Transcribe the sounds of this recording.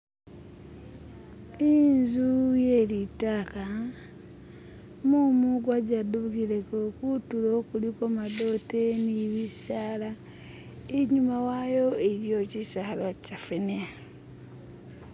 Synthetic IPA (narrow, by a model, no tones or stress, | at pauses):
inzuje̞litaka | mumuɡwaɟaduβuɡiɾekokutulokulikomado̞teniβisaːla | eɲumawajo̞eɾjociʃahalocafenea